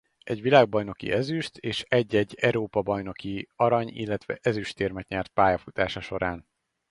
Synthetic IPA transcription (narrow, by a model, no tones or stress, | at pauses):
ɛɟʋilaːɡ̚bɒjno̞kḭʔɛzyʃt̪ʰeːʃɛɟːɛɟːɛɾoːpɒbɒjno̞kiɒɾɒɲḭlːɛt̪ʋɛ̰ʔɛzyʃt̪eːrmɛt̪ɲɛrt̪̚paːjɒfut̪aːʃɒʃo̞ɾaːn